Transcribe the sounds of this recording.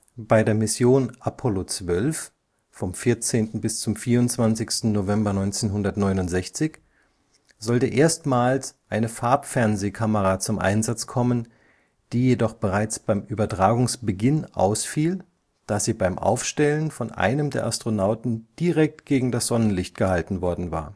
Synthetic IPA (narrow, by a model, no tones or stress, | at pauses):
b̥aɪdeːɐmɪsjoːnʔapʰɔlot͡sv̥œlf | fɔmfɪɐt͡seːntn̩bɪst͡sʊmfiːɐʊnt͡sv̥ansɪçstn̩novɛmbɐnɔʏnt͡seːnɦʊndɐtnɔʏnʊntz̥ɛçt͡sɪç | z̥ɔltəʔeːɐstmaːlsʔaɪnəfaɐpfɛɐnzeːkʰaməʁat͡sʊmʔa̰ɪnzat͡skʰɔmən | d̥iːjedɔχb̥əʁaɪt͡sb̥aɪmʔyːbɐtʁ̥aːɡʊŋsb̥əɡɪnʔa̰ʊsfiːl | d̥aːziːbaɪmʔa̰ʊfʃtɛlənfɔnʔa̰ɪnəmdeːɐʔastʁ̥onaʊtn̩d̥iʁɛk̚tɡ̥eːɡŋ̩dasz̥ɔnənlɪçt̚ɡ̥əhaltn̩vɔɐdn̩va̰ːɐ